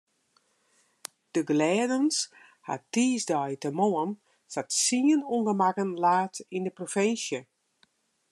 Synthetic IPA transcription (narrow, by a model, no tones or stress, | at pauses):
d̥əɡlɛːdəns | ha̰tiːzdɔjtəmoən | satsiənunɡəmakənlaːtindəprofɪnsjə